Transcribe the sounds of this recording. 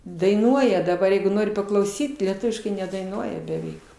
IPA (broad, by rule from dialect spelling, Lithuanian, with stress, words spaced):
dɐɪˈnuɔjɛ dɐˈbɐr ˈjɛɪɡʊ ˈnoːrʲɪ pɐklˠɐʊˈsʲiːt lʲiɛˈtʊʋʲɪʃkɐɪ nʲɛdɐɪˈnuɔjɛ bʲɛˈʋʲɛɪk